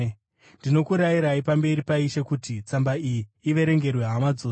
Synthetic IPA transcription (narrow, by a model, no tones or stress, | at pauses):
ndino̞kuɾajiɾaipambe̞ɾipaiʃe̞kutit͡sambaijiːʋe̞ɾe̞ŋɡe̞rweɦamad͡zo